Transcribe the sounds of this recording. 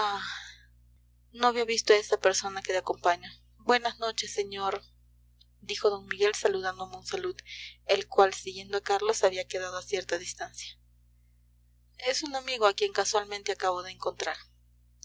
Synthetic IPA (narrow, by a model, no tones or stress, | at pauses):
a | noaβiaβist̪oe̞sapeɾso̞naket̪eako̞mpaɲo | bwe̞nazno̞t͡ʃe̞sːeɲo̞ɾ | d̪ixo̞ðo̞nmiɣe̞lsaluðand̪omeunsaluðelkwalsiɣje̞nd̪oakaɾlo̞saβiakeðað̞oasje̞ɾt̪aðist̪ansjḁ | e̞sunamiɣoakje̞ŋkaswalmẽnt̪e̞akaβoðeːŋko̞nt̪ɾaɾ